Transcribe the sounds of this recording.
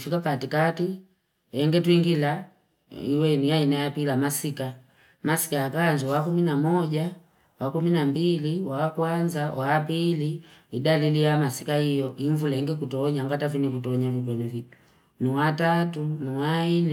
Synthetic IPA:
fikapatikati | ɛŋɡɛtuiŋɡila | iwɛniainajapilamasika | masi̥kajakaɲd͡ʒuwakuminamɔɟa | wakuminambiliwaːkwand͡ʒawʔaːpiliidalilijamasikahijɔʔiɱvulaɛŋɡɛk̬utɔɲaŋɡatafinikutɔɲavitwɛmɛvitu̥ | niwatatuniwainɛ

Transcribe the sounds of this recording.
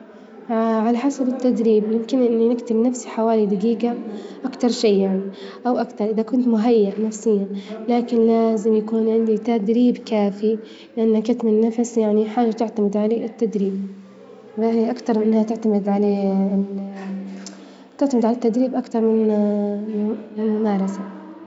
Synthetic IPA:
ʕalaħasabɪt̪ːad̪ɾiːbjɪmkɪnʔɪnːinɪkt̪ɪbnafsiħawaːlid̪aɡiːɡaʔakt̪ɑɾˤʃejːaʕni | ʔawʔakt̪ɑɾˤʔɪðakʊnt̪mʊɦajːaʔnafsɪjːalaːkɪnlaːzɪmjakuːnʕɪnd̪it̪ad̪ɾiːbkaːfi | lɪʔanːakʊt̪mɪnːafsjaʕniħaːʒat̪ɪʕt̪amɪd̪ʕalaʔɪt̪ːad̪ɾiːb | waʔakt̪ɑɾˤmɪʔɪnːhat̪ɪʕt̪amɪd̪ʕala | t̪ɪʕt̪amɪd̪ʕalat̪ːad̪ɾiːbʔakt̪ɑɾˤmɪn | mɪlmʊmɑːɾˤɑsa

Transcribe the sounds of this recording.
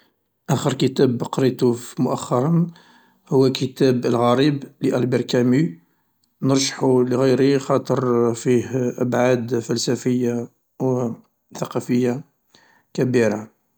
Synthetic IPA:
ʔæxəɾkət̪æbqɾit̪ufmʊʔæxːɑɾˤɑn | hʊwːækət̪æbəlɣæɾibliʔælbiɾˤkæmi | nəɾˤʒħuləɣəjɾixɑt̪ˤəɾˤfihʔəbʕad̪fælsæfəjːa | w | θɑqɑfəjːa | kæbiɾa

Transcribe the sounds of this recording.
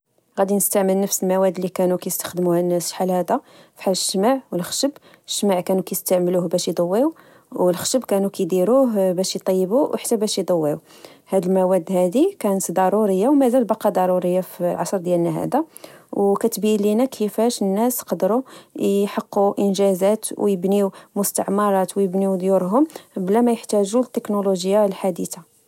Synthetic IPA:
ɣæd̪inəst̪aʕməlnəfsəlmæwæd̪ːlikænukæjəst̪ə̥xd̪əmuhænːæsħalhæd̪æ | fi̥ħaləʃːmaʕwəlxʃəb | əʃːmaʕkænukæjəst̪aʕmluhbæʃjd̪ˤɑwːiu | wəlxʃəbkænukæjd̪iɾuɦbæʃit̪ˤɑjːəbuwħḁt̪ːæbæʃjid̪ˤɑwːiu | hæd̪əlmæwæd̪hæd̪ikænət̪d̪ɑɾˤuɾəjːawmæzælbɑqːɑd̪ˤɑɾˤuɾəjːaflʕɑsˤɾˤd̪jælnæɦæ̰d̪æwkæt̪bilinækʰəfæʃənːæsqɑd̪ɾuħəqːuʔənʒæzæt̪wjəbniwmʊst̪ə̰ʕmɑɾˤɑt̪wjəbniwd̪juɾɦʊmblæmæjəħt̪æʒut̪ːəknoloʒəjːalħad̪it̪a

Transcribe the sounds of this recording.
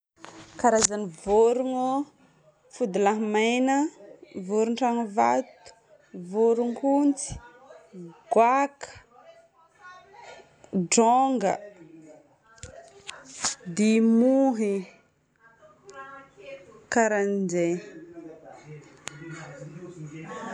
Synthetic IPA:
kaɾazanivoɾuŋu | fud̪ulaɦmajnəvoɾuɳʈ͡ʂaŋva̰t̪u̥ | voɾuŋkunt͡si̥ | ɡ̥wakʰə̥ | ɖ͡ʐoŋɡə̰ | d̪imuɦi | kaɾanid͡ʒe

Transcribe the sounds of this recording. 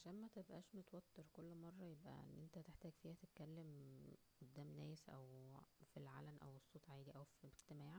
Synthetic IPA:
ʕaʃæːnmæt̪ebʔæːʃmet̪wæt̪ːeɾkolːmɑrˤːɑjebʔæ̰ḛnːʔent̪æt̪eħt̪æːɡfiːhæt̪et̪̚kælːem | ʔod̪ːæːmnæːsʔæ̰wfilʕa̰lænʔæ̰wesˤːoːt̪ˤʕaːd̪iʔæwfieɡt̪emæːʕ

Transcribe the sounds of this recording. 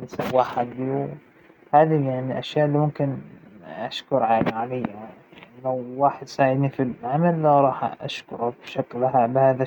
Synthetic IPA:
lɪsawːaħad̪ːiw | haːðijaʕniʔaʃjaːʔɪlːiːmʊmkɪnʔaʃkʊɾˤʕaːlaʕalɪjːalawːaːħɪd̪saːʕɪd̪nifilʕamalːɾˤɑːħʔa̰ʃkʊɾˤabʃaklahabɪhaːða

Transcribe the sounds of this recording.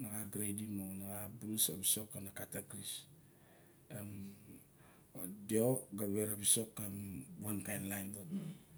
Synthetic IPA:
naɡaɡɾejdimonaɡabɾusabiso̞kanakataɡɾis | em | deoɡaβeɾabiso̞kːemwankajnlajnbota

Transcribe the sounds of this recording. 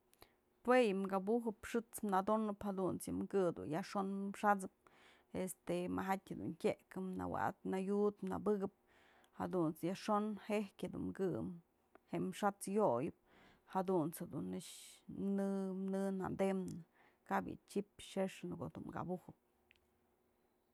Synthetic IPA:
pwejɨmɡabuɦɨpʂɨt͡smnad̪onɨphad̪unt͡sjɨmkɨd̪ṵjaʂonʂat͡sɨp̚ | est̪emaɦatʲhad̪ṵntʲeʔkɨmna̰wa̰ʔt̪̚najut̪mna̰bɨɡɨp̚ | had̪unt͡sjaʂonhehkʲed̪ṵnmkɨ̰m | heʔmʂat͡sjojɨp̚ | had̪unt͡shed̪unɨt͡ʃmnɨmnɨna̰nd̪emnɨ | kabjɨ̰t͡ʃipʂeʂnɨko̰d̪uɡa̰buhɨp̚

